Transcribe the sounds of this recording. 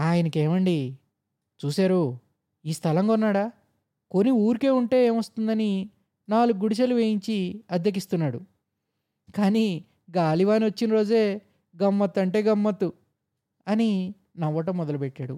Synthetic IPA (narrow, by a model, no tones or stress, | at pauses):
aːjɐnɐkeːmɐɳɖi | t͡ʃuːsaːɾu | iːst̪ʰɐlɐŋɡɔnːaːɽaː | ko̞niuːɾike̞ːuɳʈe̞ːeːmʋɐst̪und̪ɐni | naːluɡːuɽiʃ̬ɐluʋeːjiɲt͡ʃiɐd̪jɐk̬ist̪unːaːɽu | kaːniː | ɡaːliʋaːniʋɐt͡ʃːinɐɾo̞ːd͡ʒe̞ː | ɡɐmːɐt̪ːɐɳʈe̞ːɡɐmːɐt̪ːu | ɐni | nɐʋːɐʈ̬ɐmːɔd̪ɐlupeʈːaːɽṵ